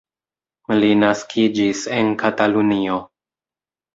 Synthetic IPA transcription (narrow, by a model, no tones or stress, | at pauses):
linaskʰid͡ʒise̞nkatalunio̞